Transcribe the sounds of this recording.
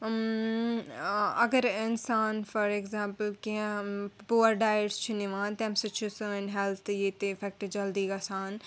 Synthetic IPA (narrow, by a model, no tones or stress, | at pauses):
ɐɡəɾɪnsaːnfɐɾeɡzãːmpəlkiə̃puəɾɖaːjəɾst͡ʃʰʊniʋãːnt̪ɛ̃ːmsɐt͡ʃʰusuɪ̃nɦɛlt̪ʰjet̪eɪfɛk̚ʈd͡ʒɐld̪iɡɐsãːn